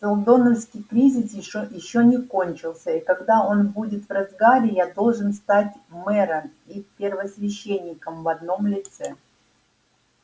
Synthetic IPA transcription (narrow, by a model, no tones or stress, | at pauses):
t̪olˠd̪o̞nəfskʲɪjkɾʲizʲɪsjɪɕojɪɕːonʲɪko̞nʲt͡ɕɪlˠsʲəikɐɡd̪ao̞nbudʲɪt̪vrɐzɡaɾʲɪjad̪o̞lˠʐɨnst̪atʲmɛɾəm | ipʲɪrvəsvʲɪɕːenʲːɪkəmvɐd̪no̞mlʲɪt̪sɛ